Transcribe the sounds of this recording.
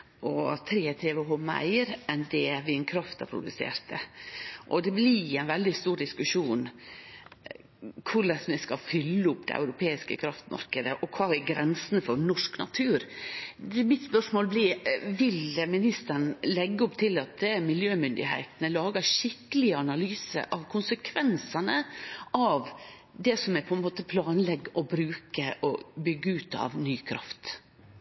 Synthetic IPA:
ʔɔt̪ʰɾeːt̪ʰeːʋəɦɔmæ̰ɪɾɛnd̪ɛʋɪɛnkʰɾɑft̪æ̰ɾpʰɾʊ̰d̪ʉsḛːɾt̪əʔɔd̪ɛblɪæɪnʋɛld̪ɪst̪uːɾɖ̪ɪskʉʂuːn | kʰʊɭɛsmɛskɑfʏlːəʊpd̪ɛ̰ʔæ̰ʉɾʊpʰeːɪskə̰kʰɾɑft̪mɑ̰ɾkəd̪əʔɔkʰʋɑːæɡɾɛnsənfɔɾnɔʂknɑ̰t̪ʰʉːɾ | mɪt̪spœʂmoːlbliʋɪlmɪnɪst̪əɾnlɛɡːəʊpt̪ʰɪlɑt̪̚d̪ɛmɪljøːmʏnd̪ɪ̰hæ̰ɪt̪ənəlɑːɡəʂɪkəlɪəɑnɑlyːsə̰ɾʔɑʋkʰʊnsəkʰʋɛnsɑnəʔɑʋ | d̪ɛsɔmæɾpʰɔɛnmoːt̪əpʰlɑːnlɛɡːɔbɾʉːkəʔɔbʏɡːəʉːt̪ɑ̰ʋnyːkʰɾɑ̰ft̪

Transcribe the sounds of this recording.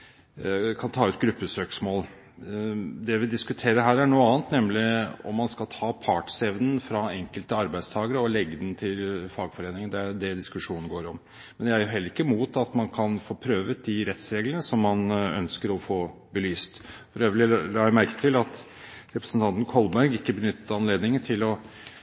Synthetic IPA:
kʰɑnt̪ʰɑːʉːt̪ɡɾʉpːəsøːksmoːl | d̪ɛʋɪd̪ɪskʉt̪ʰeːɾəɦæːɾæɳuːəɑːənt̪nɛmlɪɔ̰mːɑnskɑlt̪ʰɑːpʰɑːʈsɛʋnən̩fɾɑɛŋkəlt̪əɑɾbæɪst̪ʰɑːɡəɾəɔlɛɡːəd̪n̩t̪ʰɪlfɑːɡfɔɾeːnɪŋənd̪ɛæd̪ɛd̪ɪskʉʂuːnnəɡoːɾɔm | mɛnjææɾjʊɦɛlːəɾɪkːəmuːt̪ɑt̪mɑnkʰɑnfoːpʰɾøːʋət̪̚d̪ɪɾɛt̪sɾeːɡlənəsɔmːɑnœ̰nskəɾɔfoːbəlyːst̪fɔɾjæʋɪllɑːæmæɾkə̥t̪ʰɪlɑt̪ | ɾɛpɾəsn̩t̪ʰɑnt̪n̩kʰɔlbæɾɡɪkːəbənʏt̪ːəɑnleːd̪nɪŋət̪ʰɪlɔ

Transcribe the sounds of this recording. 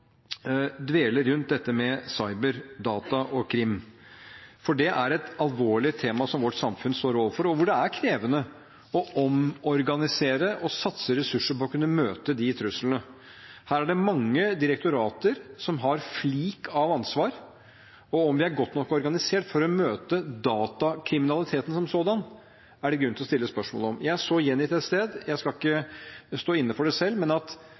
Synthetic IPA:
d̪ʋeːləɾɾʉnt̪̚d̪ɛt̪ːəmɛsɑɪbəɾd̪ɑːt̪ɑʔɔkʰɾɪmː | fɔɖɛʔæɾɛt̪ɑlʋoːɭɪət̪ʰeːmɑsɔmʋɔʈsɑmfʉnst̪oːɾoːʋəɾfɔɾɔʋʊɖɛæɾkʰɾeːʋənə | ɔɔmɔɾɡɑnɪseːɾəʔɔsɑt̪səɾɛsʉʂːəɾpɔɔkʉnːəmøːt̪əd̪ɪt̪ʰɾʉslnə | hæːɾæɖɛmɑŋːəd̪ɪɾɛkt̪ʊɾɑːt̪əɾsɔmɦɑɾfliːkɑʋɑnsʋɑːɾ | ɔɔmʋɪæɾɡɔt̪nɔkːɔɾɡɑnɪseːʈfɔɾɔmøːt̪əd̪ɑːt̪ɑkʰɾɪmɪnɑlɪt̪ʰeːt̪ən̩sɔmsoːd̪ɑn | æɖɛɡɾʉnt̪ɪlɔst̪ɪlːəspœʂmo̰ːləɔmjæɪæʂɔjɛnːɪt̪ʰɛt̪st̪eːd̪jæɪskɑlɪkːəst̪oːɪnːəfɔɖɛsɛlːmɛnɑt̪

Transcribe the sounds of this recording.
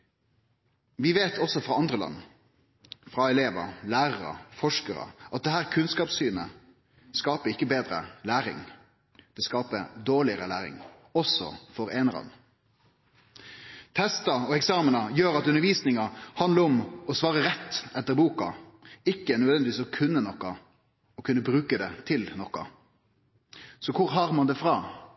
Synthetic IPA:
ʋɪʋeːt̪ʰɔsɔfʁɑɑnd̪ʁəlɑ̰nː | fɾɑɛleːʋə̰ɾlæːɾəɾə̰fɔʂkəɾə̰ʔɑt̪̚d̪ɛhæːʁkʰʉnskɑːpsyːnə̰ | skɑːpəɪkːəbeːd̪ɾə̰læːɾɪ̰ŋ | d̪̥ɛskɑːpəd̪oːɭɪəɾəlæ̰ːɾɪ̰ŋ | ɔsɔ̰fɔɾeːnəlɑ̰nː | t̪ʰɛst̪ɑɔɛksɑːmənɑjøːɾɑt̪ʉnːəɾʋiːsnɪŋɑhɑnd̪əɾɔmɔsʋɑːʁəɾɛt̪ːɛt̪ːəɾbuːkɑɪkːənœd̪ʋɛnd̪ɪʋiːsɔkʰʉnːənɔkːɑ | ɔkʰʉnːəbɾʉːkəd̪ɛt̪ʰɪlnɔkːɑ̰ | sɔkʰʊɾɦɑʁmɑnd̪ɛfʁɑː

